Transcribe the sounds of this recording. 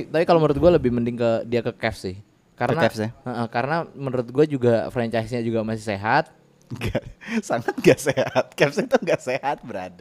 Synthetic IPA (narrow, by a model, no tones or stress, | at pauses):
it̪apikalomənɾʊt̪̚ɡualəbɪhməndɪŋkədiakəkɛfsɪh | kaɾənaɛsəʔəhkaɾənamənɾʊt̪̚ɡuad͡ʒuɡafɾɛɲt͡ʃajsɲad͡ʒuɡamasɪhseɦat̪̚ | ɡasaŋat̪̚ŋɡaʔsehat̪̚kɛfsit̪uŋɡaʔsehat̪̚bəɾa̰da